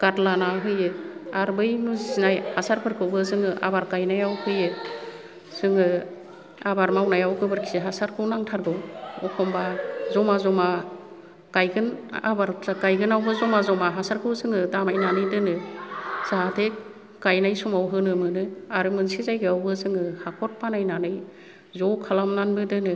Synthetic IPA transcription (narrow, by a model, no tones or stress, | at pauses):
ɡ̥atlanaɦɯjɯaɾbɯjnuzinajhasaɾpʰɯɾkʰɯbɯzɯŋɯʔa̰baɾɡajnajawhʰɯjɯ | z̥ɯŋɯ | abaɾmawnajawɡɯbɯɾkʰi̥zeɦasaɾkʰɯwnaŋtʰaɾɡɯwɔkʰɔmbazɔmazɔma | ɡ̥ajɡɯna̰baɾaɡajɡɯnawbɯzɔmazɔmaɦasaɾkʰɯwzɯŋɯdamajnanɯjdɯnɯz̥aɦde | ɡ̥ajnajsɔmawɦɯnɯmɯnɯaɾɯmɯnsizajɡɯawbɯzɯŋɯhakʰɔɾ̚panajnanɯj | zɔwkʰalamnanbɯdɯnɯ